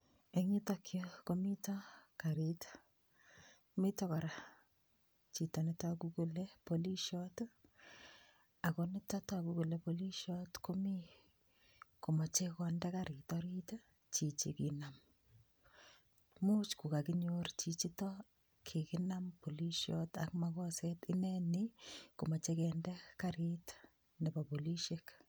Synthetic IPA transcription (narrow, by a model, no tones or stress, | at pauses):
eɲitɔkʰjokomitɔkaɾitḁ | mitɔkɔɾa | t͡ʃitɔnɪtakukulepoliʃɔt | akonɪtatakukulepoliʃɔtkomi | komɔt͡ʃekɔndɛkaɾɪtɔɾit | t͡ʃit͡ʃḭkinam | mut͡ʃkukakiɲort͡ʃit͡ʃitɔ | kʰikɪnampoliʃjɔta̰kmakɔsɛtɪnɛnɪkomɔt͡ʃekɛndɛkaɾit | nɛbapoliʃek